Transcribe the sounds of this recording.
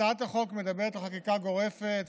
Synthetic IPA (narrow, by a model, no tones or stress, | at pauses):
at̪aχo̞kme̞d̪abeʁet̪leχakikaɡo̞ʁe̞fet̪